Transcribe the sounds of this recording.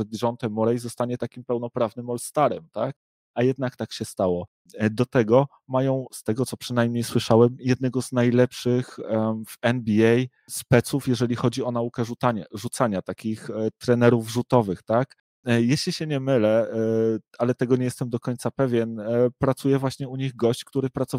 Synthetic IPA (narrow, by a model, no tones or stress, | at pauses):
ɛd̪ʐɔnt̪ɛmːɔɾɛjzɔst̪aɲɛt̪akʲimpɛwn̪ɔpɾavnɘmɔlst̪aɾɛmt̪ak̚ | ajɛd̪̚nakt̪akɕɛst̪awɔ | d̪ɔt̪ɛɡɔ | majɔ̃w̃st̪ɛɡɔt̪sɔpʂɘnajmɲejswɘʂawɛmjɛd̪nɛɡɔznajlɛpʂɘxvɛnbʲiɛj | spɛt̪sufjɛʐɛlʲixɔd͡ʑiɔn̪aukɛʐut̪aɲɛʐut̪saɲat̪akʲixt̪ɾɛnɛɾuvʐut̪ɔvɘxt̪ak | jɛɕlʲiɕɛɲɛmɘlɛ | alɛt̪ɛɡɔɲɛjɛst̪ɛmd̪ɔkɔɲt̪sapɛvʲjɛnpɾat̪sujɛvwaɕɲɛuɲiɣɡɔɕt͡ɕkt̪uɾɘpɾat̪sɔ